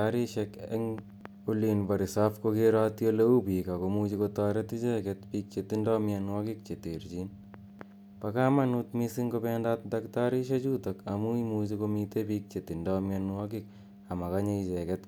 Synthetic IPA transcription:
aɾiʃɛkɛ̰ŋ | ulinbaɾisafkokeɾatjoleupikakomut͡ʃikotaɾetit͡ʃɛkɛtpiːk̚t͡ʃetindɔmjanwakɪk̚t͡ʃeteɾd͡ʒin | pakamanut̪misiŋkopɛndat̚daktaɾiʃet͡ʃuːtakamuimut͡ʃikomitepiːk̚t͡ʃetindamjanwakɪk | amakaɲeit͡ʃɛkɛt

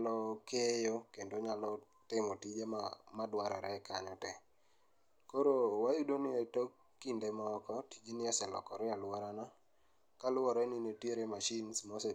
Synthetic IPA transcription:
lɔkejokendoɲalɔ | tɪmɔtid͡ʒemamadwaɾɛɾɛka̰ɲɔtɛ | koɾowajudonɪetokːindemɔkɔtid͡ʒenɪasɛlɔ̰kɔɾɪalwɔɾana | kalʊɔɾɛnɪnetjeɾemaʃinsmɔsɛ

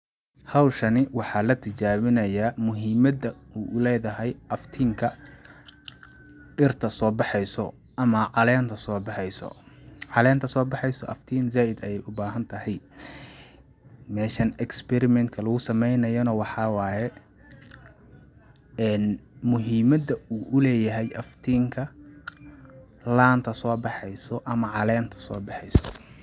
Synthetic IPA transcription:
hɐwʃɐnɪwɑħɑːlɐt̪ʰɪt͡ʃaːβɪnɐjaːmʊɦiːmɐd̪ɐuːʔʊlɛːðɐɦɛjʔɐft̪ʰiːŋkʰɐ | ɖɪrt̪ʰɐsɔːbɑħɛjsɔ̰ | ʔɐmɐʕɑlɛːnt̪ʰɐsɔːbɑħɛjsɔ̰ʕɑlɛːnt̪ʰɐsɔːbɑħɑjsɔʔɐft̪ʰiːnzaːʔɪd̪ɐjɛjʊbaːɦɐnt̪ʰɐɦɛj | mɛːʃɐnɛkspɛɾɪmɛnt̪kʰɐlɐɣʊsɐmɛjnɐjɔnɐwɑħɑːwɑːjɛ | ɛːnmʊɦiːmɐd̪ɐuːʔʊlɛːjɐɦɛjʔɐft̪ʰiːŋkʰɐ | laːnt̪ʰɐsɔːbɑħɛjsɔʔɐmɐʕɑlɛːnt̪ʰɐ̥sɔ̰ːbɑħɛjsɔ̥

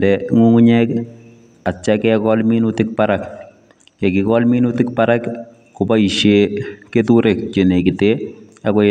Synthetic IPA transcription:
ndɛŋuŋuɲɛk | at͡ʃakɛkɔlminutɪk̚paɾak | kɛkikɔlminutɪk̚paɾak | kʊbaiʃeketuɾek̚t͡ʃenekɪte | akɔ

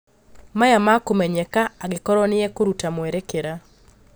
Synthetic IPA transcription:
majamakomɛɲɛkaaɡɪkɔɾɔnɪjɛkoɾutamwɛɾekeɾa

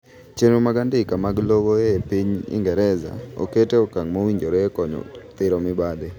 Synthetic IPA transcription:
t͡ʃenomaɡandɪkamaɡlɔɡoepiɲḭŋɡɛɾɛza̰o̰keteokaŋmowiɲd͡ʒoɾoekɔɲɔ̰t̪ɪɾɔmɪbade

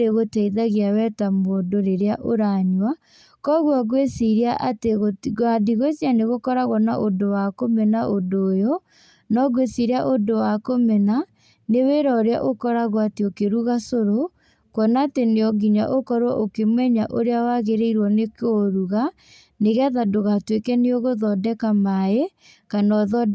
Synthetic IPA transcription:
ɾeɣotɛiðaɣiawɛtamoːdoɾeɾeaʔoɾaɲwa | kɔɣwaɣwesiɾiaʔateɣoɣwadiɣwesianeɣokɔɾaɣwɔnaʔodowakomɛnaʔodoːjɔ | nɔɣwesiɾaʔodowakomɛna | neweɾaoɾea̰ʔokɔɾaɣwateokeɾuɣasoɾo | kwɔnaːteneɔɡiɲa̰ʔokɔɾwɔʔokemwɛɲaʔoɾeawaɣeɾeiɾwɔnekoɾuɣa | neɣaðadoɣatwekɛneoɣoðɔdɛkamae | kanɔðɔd

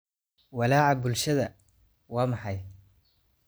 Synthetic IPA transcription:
wɐlaːʕɑbʊlʃɐðɐ | wɑːmɑħɑj

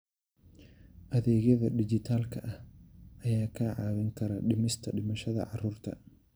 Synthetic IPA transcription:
ʔɐðeːɡɛðɐdɪd͡ʒɪt̪aːlkɐʔɐʔɐjaːkaʕaːwɛŋkɐɾɐɗɪmɪst̪ɐᶑɪmɐʃɐðɐ̰ʕaruːɾt̪ɐ

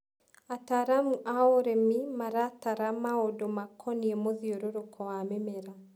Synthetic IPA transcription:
ataɾamuʔaoɾemimaɾataɾamaodomakʰɔniemoðioɾoɾokʰɔamemeɾa

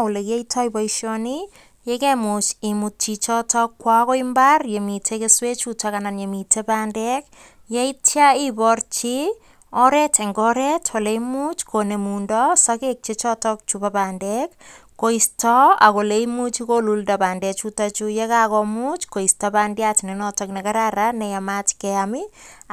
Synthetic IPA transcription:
olekieitʰɔjbɔiʃɔni | jekemut͡ʃemut̚t͡ʃit͡ʃɔtɔkːwakoimbarjemitʰekeswet͡ʃutakananjemitʰebaːndɛk | jaitjaibɔrt͡ʃi | ɔɾɛtʰeŋɡɔɾɛtʰɔleimut͡ʃkʰonemundɔsakek̚t͡ʃet͡ʃɔtɔk̚t͡ʃupapaːndɛkː | oistɔa̰koleimut͡ʃikoluldapandɛt͡ʃutat͡ʃujɛkakɔmut͡ʃkoistapandjatinenɔtɔknɛkaɾaɾanɛjamat͡ʃkɛamɪ

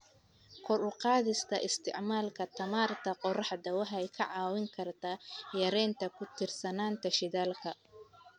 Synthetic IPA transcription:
kʰɔɾʊqɑːðɪst̪ʰɐʔɪst̪ʰɪ̰ʕmaːlkʰɐt̪ʰɐmaːrt̪ʰɐqɔrɑħd̪ɐwɐħɛjkʰɐʕɑːwɪŋkʰɐrt̪ʰaːjɐɾɛːnt̪ʰɐkʰʊt̪ʰɪrsɐnaːnt̪ʰɐʃɪðaːlkʰɐ

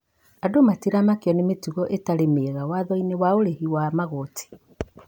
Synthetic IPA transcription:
adomatiɾamakjɔnemetuɣɔʔetaɾemeɣawaðɔinewaoɾehiwamaɣotʰe̥

